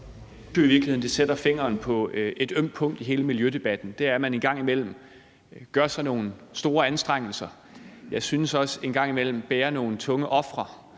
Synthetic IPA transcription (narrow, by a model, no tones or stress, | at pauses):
yiʋiɐklihe̝n̩d̥esed̥ɐfe̝ŋ̰ɐːnpʰɒ̽e̝d̥øm̰d̥̚pʰɔ̽ŋ̰d̥iɦe̝ːləmiljød̥e̝b̥æd̥n̩d̥e̝æɐmæne̝nɡ̥ɑ̈ŋ̰imel̰m̩ | ɡ̥ɶɐsɑ̈ɪno̝ːn̩sd̥o̝ːɐænsd̥ʁeŋ̰l̩sɐ | jɑ̈ɪsynəsɒ̽se̝nɡ̥ɑ̈ŋ̰imel̰m̩b̥ɛːɐno̝ːn̩t͡sʰɔ̽ŋəʔɒ̽fʁɐ